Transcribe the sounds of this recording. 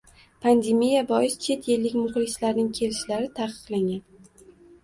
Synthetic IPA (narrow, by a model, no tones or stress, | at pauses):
pʰand̪e̞mijabɒɪst͡ʃʰe̞t̪jɪlːɪkʲmʊχlˠɪslaɾnɪŋkʲʰe̞lɪʃlaɾɪt̪ʰaqʰɨ̥qlˠaŋɡʲan